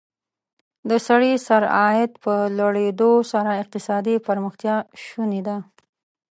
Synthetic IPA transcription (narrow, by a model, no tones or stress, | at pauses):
d̪əsaɽisaɾɑɪd̪pəlaɽed̪osaɾaɪq̚t̪ɪsɑd̪ipəɾməxt̪jɑʃuned̪a